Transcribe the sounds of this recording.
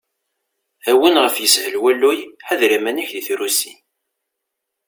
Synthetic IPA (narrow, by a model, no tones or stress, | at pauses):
æwənʁəfjəshəlwælːujħaðɾimæniçðiθɾusḭ